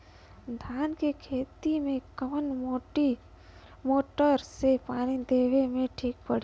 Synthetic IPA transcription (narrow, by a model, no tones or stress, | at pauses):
d̪ʱaːnkekʰeːt̪imẽkəmənʈi | moːʈəɾsepaːnid̪eːʋemẽʈʰiːk̚pəɽi